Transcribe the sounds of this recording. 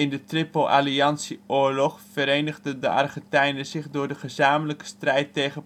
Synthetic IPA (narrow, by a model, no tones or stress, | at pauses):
ɪndətrɪpəlʔa̰liɑnsiʊːɹlɔχfəɾejnəʁdədəʔɑ̰rχəntɛjnəzɪχdʊːɹdəχəzaːmələkə̥strɛjtːejχə